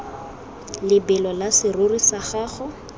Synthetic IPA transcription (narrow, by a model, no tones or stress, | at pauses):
lɪbɪlɔlasɪrʊrisaχaːχʊ